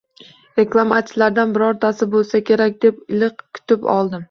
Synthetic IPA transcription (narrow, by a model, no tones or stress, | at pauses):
ɾe̞klˠamat͡ʃɪlaɾd̪anbɪɾɒɾt̪ʰasɪbolˠsakʲʰe̞ɾakʲd̪e̞p̚ɪlɪqkʲʰʊ̥t̪ɪpɒ̰lˠd̪ɪm